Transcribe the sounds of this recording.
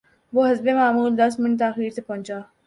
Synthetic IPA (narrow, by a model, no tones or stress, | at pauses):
ʋoːɦɐzbemaːmuːld̪ɐs̬mɪɳt̪aːxiːɾt̪epɐ̃ːnt͡ʃaː